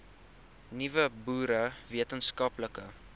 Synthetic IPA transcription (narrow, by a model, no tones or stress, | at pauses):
nivəbuːɾəviətənskɐpləkə